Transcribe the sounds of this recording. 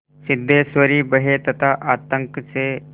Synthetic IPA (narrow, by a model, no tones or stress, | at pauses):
sɪd̪ʱːesʋəɾiːbəɦet̪ɐt̪ʰaʔaːt̪əŋkt͡se